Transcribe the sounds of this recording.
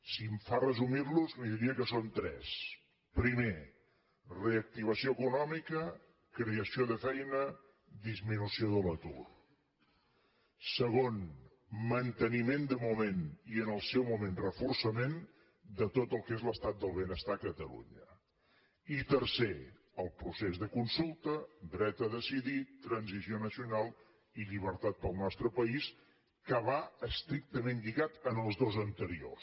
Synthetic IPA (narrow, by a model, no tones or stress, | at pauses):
simfarəzumiɾluzmiðiɾiəkəsont̪ɾɛ̰s | pɾime | reək̚t̪iβ̞əsioəkunɔmikə | kɾeəsioðəfɛjnə | d̪izminusioðələt̪ṵr | səɣ̞on | mənt̪ənimend̪əmumeniənəlˠsɛwmumenrəfursəmen | d̪ət̪ot̪əlˠkezləst̪at̪̚d̪əlˠβ̞ənəst̪akət̪əlṵɲə̰ | it̪əɾse | əlˠpɾusezðəkunsulˠt̪əd̪ɾɛt̪əðəsiðit̪ɾənzizionəsiunalˠ | iʎiβ̞əɾt̪at̪̚pəlˠnɔst̪ɾəpəis | kəβaəst̪ɾik̚t̪əmenʎiɣat̪ənəlˠzðozənt̪əɾio̰s